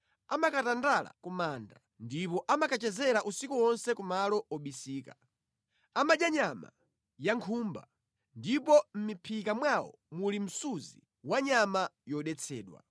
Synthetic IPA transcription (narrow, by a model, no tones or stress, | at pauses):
amakatandala̰kumaːnda | ndipɔʔamakat͡ʃɛzɛɾaʔusikuwɔnsɛkumalɔɔɓisiːka | amad͡ʒaɲama̰ | jaŋkʰuːmba̰ | ndipɔm̩mipʰikamwawɔ̰ | mulim̩suzi | waɲamajɔɗɛt͡sʰɛːɗwa̰